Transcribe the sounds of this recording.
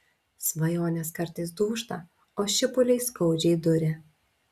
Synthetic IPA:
sʋɐjoːnʲeskɐɾt̪ɐɪs̬d̪uːʃt̪ɐ | oːʃʲɪpʊlʲɛɪskɐʊd͡ʒʲɛɪd̪ʊɾʲɪ

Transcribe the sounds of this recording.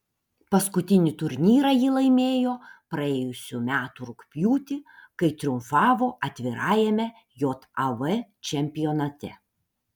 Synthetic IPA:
pɐskʊt̪ʲɪnʲɪt̪ʊɾʲnʲiːɾɐjɪlˠɐɪmʲeːjoːpɾɐeːjʊsʲumʲæːt̪uɾʊkpʲjuːt̪ʲɪkɐɪt̪ʲɾʲɪʊmfɑːʋoːʔɐt̪ʲʋʲɪɾɑːjɛmʲɛ | joːt̪ɐʋɛt͡ʃʲɛmʲpʲɪjɔnɐt̪ʲɛ̰

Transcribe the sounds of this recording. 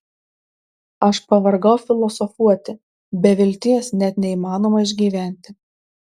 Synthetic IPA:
ɐʃpɐʋɐɾɡɐʊfʲɪlˠɔsɔfuɔt̪ʲɪ | bʲɛʋʲɪlʲt̪ʲɪjɛsnʲɛt̪ʲnʲɛimɑːnoːmɐɪʒʲɡʲiːʋʲæˑnʲt̪ʲɪ

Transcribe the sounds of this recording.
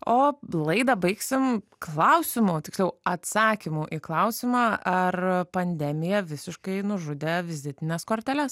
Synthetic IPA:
oːlˠɐɪd̪ɐbɐɪksʲɪmklˠɐʊsʲɪmʊt̪ʲɪ̥kslʲɛʊɐt̪sɑːkʲɪmʊʔiːklˠɐʊsʲɪmɑːɐrpɐnʲd̪ʲɛmʲɪjɛʋʲɪsʲɪʃkɐɪnʊʒʊd̪ʲeːʋʲɪzʲɪt̪ʲɪnʲɛskoːɾʲt̪ʲælʲɛs

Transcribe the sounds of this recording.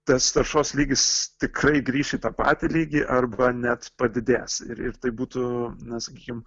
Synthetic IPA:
t̪ɐst̪ɐrʃoːslʲiːɡʲɪst̪ʲɪkrɐɪɡɾʲiːʃʲɪt̪ɐpɑ̰ːt̪ʲɪlʲiːɡʲɪʔɐrbɐnʲɛt̪pɐd̪ʲɪd̪ʲeːsɪ̰ɾɪ̰rt̪ɐɪbuːt̪ʊnɐsɐkʲiːkʲɪm

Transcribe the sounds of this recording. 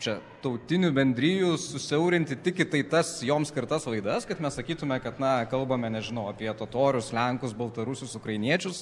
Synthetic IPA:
t͡ʃʲɛ | t̪ɐʊt̪ʲɪnʲʊbʲɛnʲd̪ʲɾʲiːjʊsʊsʲɛʊɾʲɪnʲt̪ʲɪt̪ʲɪkʲɪt̪ɐɪt̪ɐsjoːmskʲɪɾt̪ɐslˠɐɪd̪ɐskɐt̪mʲɛssɐkʲiːt̪ʊmʲɛkɐt̪nɐkɐlˠbɐmʲɛnʲɛʒʲɪnɐʊɐpʲiɛt̪oːt̪oːɾʲʊslʲɛŋkʊsbɐlˠt̪ɐɾʊsʲʊsʊkɾɐɪnʲiɛt͡ʃʲʊs

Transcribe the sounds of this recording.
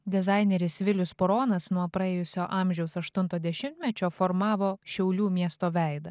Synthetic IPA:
d̪ʲɛzɑˑɪnʲɛɾʲɪsʋʲɪlʲʊspɔɾoːnɐsnuɔpɾɐeːjʊsʲoːʔɑːˑmʲʒʲɛʊsɐʃt̪ʊnt̪oːd̪ʲɛʃʲɪmʲt̪ʲmʲɛt͡ʃʲoːfoɾmɑːʋoːʃʲɛʊlʲuːmʲiɛst̪oːʋʲæˑɪd̪ɐ

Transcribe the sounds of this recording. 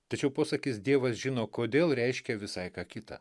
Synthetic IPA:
t̪ɐt͡ʃʲɛʊpoːsɐkʲɪsd̪ʲiɛʋɐsʒʲɪnoːkoːd̪ʲeːlˠɾʲɛɪʃʲkʲɛʋʲɪsɐɪkɑːkʲɪt̪ɐ̰

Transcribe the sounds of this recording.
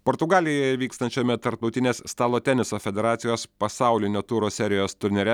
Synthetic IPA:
poːɾt̪ʊɡɑːlʲɪjojɛʋʲiːkst̪ɐnʲt͡ʃʲoːmʲɛt̪ɐɾp̚t̪ɐʊt̪ʲɪnʲeːsst̪ɑːlˠoːt̪ʲɛnʲɪsoːfʲɛd̪ʲɛɾɑːt̪sʲɪjoːspɐsɑˑʊlʲɪnʲoːt̪uːɾoːsʲɛɾʲɪjoːst̪ʊɾʲnʲɛɾʲɛ

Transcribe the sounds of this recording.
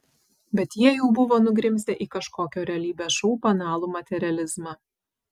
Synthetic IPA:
bʲɛt̪jiɛjɛʊbʊʋoːnʊɡɾʲɪmʲsʲt̪ʲeʔiːkɐʃkoːkʲoːɾʲɛɐlʲiːbʲeːʃuʊpɐnɑːlˠuːmɐt̪ʲɛɾʲɪɐlʲɪzmɑː

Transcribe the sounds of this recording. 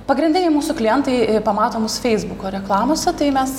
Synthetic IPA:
pɐɡɾʲɪnʲdʲɪnʲɛɪmuːsʊklʲɪjɛnt̪ɐɪpɐmɑːt̪oːmʊsfʲɛɪzbʊkoːɾʲɛklˠɑːmoːsʲɛt̪ɐɪmʲɛs

